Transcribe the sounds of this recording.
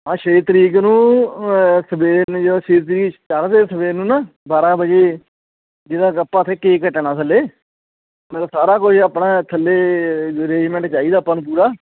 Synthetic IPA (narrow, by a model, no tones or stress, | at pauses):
ãːʃeːt̪əɾiːknũː | səbeːnːd͡ʒoʃeːt̪̬ɾiːkt͡ʃəɾd̪eːsəbeːnũːnaː | baːɾaːbəd͡ʒeː | d͡ʒɪd̪ãːkəpːãːt̪ʰeːkeːkəʈːnaːt̪ʰəleː | mɛləbsaːɾaːkʊt͡ʃʰapnaːt̪ʰəlːeːɾeːd͡ʒmɛ̃ɳʈt͡ʃaːiːd̪aːpənp̬uːɾaː